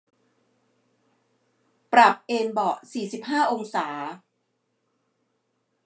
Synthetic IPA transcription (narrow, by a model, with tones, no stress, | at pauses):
pɾa˨˩p̚ʔeː˧nbɔ˨˩siː˨˩si˨˩p̚haː˥˩ʔo˧ŋsaː˩˦